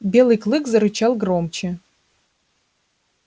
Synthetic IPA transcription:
bʲelˠɨkʰlˠɨkzaɾɨt͡ʃʰalˠɡromt͡ʃʰe

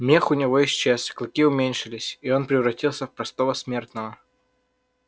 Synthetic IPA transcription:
mʲexʊnʲɪvojɪsʲt͡ɕːesklˠɐkʲiʊmʲenʲʂɨlʲɪsʲio̞npɾʲɪvɾɐtʲilˠsʲəfpɾɐst̪o̞vəsmʲe̞rt̪nəvə

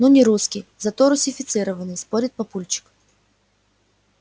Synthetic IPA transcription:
nunʲɪɾuskʲɪjzɐt̪oɾʊsʲɪfʲɪt̪sɨɾəvənɨjspoɾʲɪt̪̚pɐpulʲt͡ɕɪ̥k

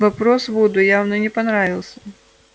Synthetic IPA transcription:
vɐpɾɔsvud̪ʊjawnɨnʲɛpɐnɾavʲilˠsʲɐ̥

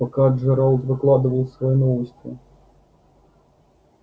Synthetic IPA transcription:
akaʐɛɾalˠt̪vɨklˠad̪ɨvɐlw̪ˠsvɔjɛnɔvɨsʲt̪ʲvʲḭ

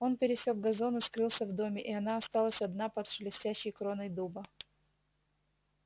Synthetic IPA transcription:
o̞npʲɪɾʲɪsʲoɡ̚ɡɐzo̞nɨskɾɨlˠsʲəvd̪o̞mʲɪʔɪɐnaɐst̪alˠəsʲɐd̪napɐt̪ʂɨlʲɪsʲtʲæɕːɪjkɾonəjd̪ubə

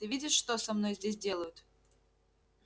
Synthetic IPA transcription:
t̪ɨvʲidʲɪʂʂt̪osɐmno̞jzʲdʲes̬ʲdʲe̞lˠəjʊt̪

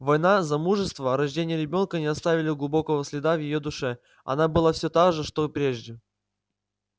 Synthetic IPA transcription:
vɐjnazɐmuʐɨst̪vəɾɐʐdʲenʲɪjəɾʲɪbʲo̞nkənʲɪɐst̪avʲɪlʲɪɡlˠʊbo̞kəvəsʲlʲɪd̪avjɪjo̞d̪ʊʂɛ | ɐ̰nabɨlˠafsʲot̪aɡʐɨʂt̪opɾʲeʐdʲɪ

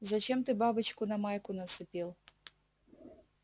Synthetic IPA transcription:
zɐt͡ʃɛmt̪ɨbabɨt͡ɕkʊnɐmajkʊnɐsɨpʲilˠ

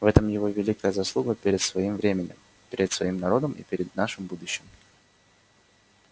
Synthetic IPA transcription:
vɛt̪əmjɪvovʲɪlʲikəjəzɐslˠuɡəpʲɪɾʲɪt̪svɐimvɾʲemʲɪnʲɪ̰m | pʲɪɾʲɪt̪svɐimnɐɾo̞d̪əmʔḭpʲɪɾʲɪd̪naʂɨmbud̪ʊɕːɪm

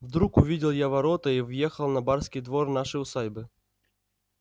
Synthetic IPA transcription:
vd̪ɾukʊvʲidʲɪlˠjavɐɾot̪əivjexəlˠnɐbarskʲijd̪vornaʂɨjʊsajʲbɨ

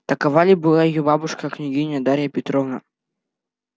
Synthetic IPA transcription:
t̪ɐkavalʲibɨlˠajjɔbabuʂkɐknʲiɡʲinʲɐd̪aɾʲjɐpʲɪt̪ɾɔvnɐ

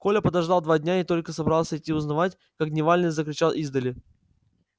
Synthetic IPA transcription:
ko̞lʲəpəd̪ɐʐd̪alˠd̪vadʲnʲaɪt̪o̞lʲkəsɐbɾalˠsʲəɪtʲːiʊznɐvatʲ | kak̚d̪ʲnʲɪvalʲnɨzəkɾʲɪt͡ɕalˠʔizd̪əlʲɪ

